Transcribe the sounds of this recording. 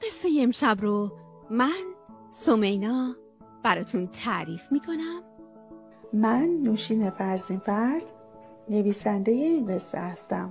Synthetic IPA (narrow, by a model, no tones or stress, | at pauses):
mesejemʃæbɾo | mæn | somejnɒː | b̥æɾɒːt̪ʰunt̪ʰæɾiːfmiːkʰonæm | mænːuːʃiːne̞fæɾzinfæɾd̪̥ | ne̞viːsænd̪e̞jeinvesḛhæst̪æm